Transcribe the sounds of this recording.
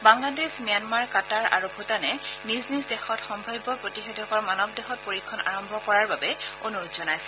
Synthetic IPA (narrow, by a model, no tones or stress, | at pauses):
baŋladesmijanmaɹkataɹʔa̰ɹubʱutanɛniznisdɛxɔtxɔmbʱajbɔpɹotixedʱɔkɔɹmanɔb̚dɛxɔt̚poɹikʰːɔna̰ɹɔmbʱɔkɔɹaɹbabɛonuɹʊtzɔnajsɛ